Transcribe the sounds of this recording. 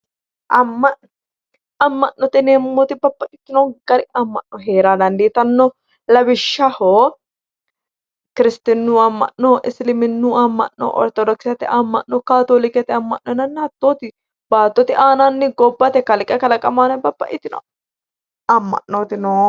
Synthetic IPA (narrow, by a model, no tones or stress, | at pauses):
ʔɐmːɐn | ɐmːɐʔnːɔt̪ɛnɛmːɔt̪ɪbɐpːɐkɪt̪ːɪnɔɡ̥ɐɾɪɐmːɐʔnːɔɦeːɾad̪ɐnd̪it̪ɐnːɔ | lɐbɪʃːɐho | kɪɾɪst̪ɪnːuɐmːɐ̰ʔnːɔʔɪslɪmɪnːuɐmːɐ̰ʔnːɔ̰ʔɔ̰ɾt̪ɔd̪ɔksɪjɐt̪ɪ̰ʔɐmːɐ̰ʔːɔkaːt̪oːlɪkɐt̪ɪɐmːɐ̰ʔnːɔnɐnːhɐt̪ːoːt̪ɪ | baːt̪ːɔt̪ɪʔaːnɐnːɪɡɔbːɐt̪ɛkɐlɪkʼːɛkɐlɐkʼɐmanbɐpːɐ̰ʔʼɪt̪ːɪnɔ̰ | ɐmːɐ̰ʔnːot̪ɪnoː